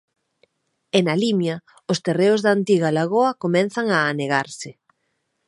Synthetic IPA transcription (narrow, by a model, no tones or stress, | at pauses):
enalimja | ʊst̪ereʊzðaːnt̪iɣalaɣoɐkomɛnθaŋaːneɣaɾsɪ